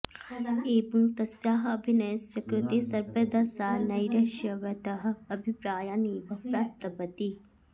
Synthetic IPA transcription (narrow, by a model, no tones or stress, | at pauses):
eːbuŋt̪ɐsjaːɦɐɐbʱinɐjɐsjɐkɾut̪isɐɾbɐd̪ɐsaːnɐjɾɐʃjɐʋɐʈ̪ɐɦɐ̆ɐbʱipɾaːjaːniːbɐpɾaːp̚t̪ɐpɐt̪i